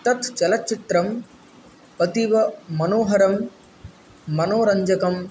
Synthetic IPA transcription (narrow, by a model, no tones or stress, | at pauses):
t̪ɐt̪t͡ʃɐlɐtːt͡ʃːit̪ɾɐm | pɐt̪iʋɐmɐnoːɦɐɾɐm | ɐnoːɾɐɲd͡ʒɐkɐm